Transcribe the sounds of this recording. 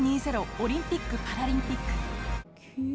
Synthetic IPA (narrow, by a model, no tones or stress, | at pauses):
ɲisʰeɾooɾimp͈ikːɯpaɾaɾimp͈ikːɯ̥k